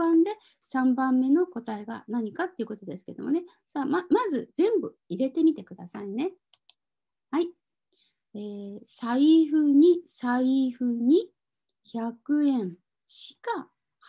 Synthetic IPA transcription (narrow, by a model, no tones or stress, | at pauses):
ãnd̪e̞ | sãmbãmːe̞no̞ko̞t̪aeɡa̰naɲ̟ikat̪ːe̞iɯ̟ko̞t̪o̞d̪e̞sɨ̥ke̞d̪o̞̰mo̞ne̞ | saːmamazɨzẽ̞mbɯ̟ | iɾe̞t̪e̞mʲit̪e̞kɯ̟d̪asaine̞ | hai | eːsaiɸɯ̟ɲ̟isaiɸɯ̟ɲ̟i | çakɯ̟ẽ̞ɴ | ɕi̥ka | h